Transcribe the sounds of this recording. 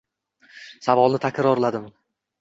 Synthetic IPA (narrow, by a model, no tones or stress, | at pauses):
savɒlˠnɪt̪ʰakʲɾɒɾlad̪ɪm